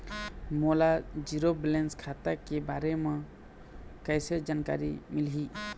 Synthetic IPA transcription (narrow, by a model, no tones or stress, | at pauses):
mɔlad͡ʒiɾoblɛnskʰat̪akɛbaɾɛmɔ | kajsəɾd͡ʒanka̰ɾḭmilɦi